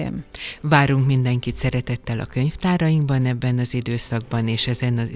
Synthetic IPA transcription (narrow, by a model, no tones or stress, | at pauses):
mvaːɾuŋkmind̪ɛŋkit̪sɛɾɛt̪ɛt̪ːɛlɒ̰kø̞ɲft̪aːɾɒjiŋɡbɒnɛbːɛnɒzid̪øːsɒɡ̚bɒneːʃɛzɛnɒ